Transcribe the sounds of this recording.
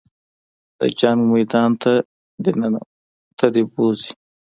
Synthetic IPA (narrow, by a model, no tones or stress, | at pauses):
d̪̥ə̰d͡ʒɑŋɡmajd̪ɑnt̪a | d̪enan | t̪ʰad̪ebozi̥